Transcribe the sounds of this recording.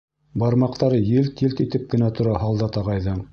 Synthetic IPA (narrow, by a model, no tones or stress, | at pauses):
bɑɾmɑqt̪ɑɾɤjɘlt̪ilt̪it̪ɘp̚kɘ̆næt̪ŏɾɑɦɑlˠd̪ɑt̪ɑʁɑjðɤɴ